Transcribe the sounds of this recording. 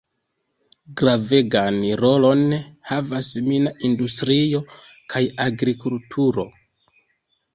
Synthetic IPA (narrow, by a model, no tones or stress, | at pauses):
ɡɾave̞ɡanɾo̞lo̞nhavasminaindustɾio̞ | kʰajaɡɾikultʰuɾo̞